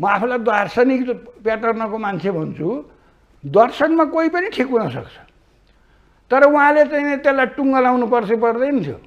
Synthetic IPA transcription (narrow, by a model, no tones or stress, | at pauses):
mʌapʰulajd̪warsʌnikpjaʈʌrnʌkomant͡sʰebʱʌnt͡sʰu | d̪ʌrsʌkmakoipʌniʈʰikunʌsʌ̰kt͡sʰʌ̥ | t̪ʌɾʌuɦãlet͡sainet̪elːajʈuŋɡʌlawnupʌrt͡sʰʌp̬ʌrd̪ʌjnʌt̪ʰjo̰